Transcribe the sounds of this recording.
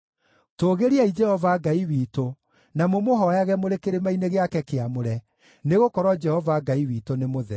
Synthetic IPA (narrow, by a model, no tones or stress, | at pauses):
toːɣeɾiaid͡ʒɛhɔvaɡaiwiːto | namomoɦɔjaɣɛmoɾekeɾemaineɣeakɛkeamoɾɛ | neɣokɔɾwɔd͡ʒɛhɔvaɡaiwiːtonemoðɛ